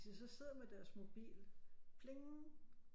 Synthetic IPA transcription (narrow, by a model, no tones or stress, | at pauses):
sisɒ̽se̝ð̰ˠɐmed̥æɐsmo̝b̥ḭːlpʰle̝ŋn̩